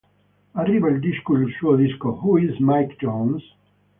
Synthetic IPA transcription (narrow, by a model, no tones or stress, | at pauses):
ariːvald̪iʃkulʃuoðiskohuizmajkd͡ʒɔ̃ns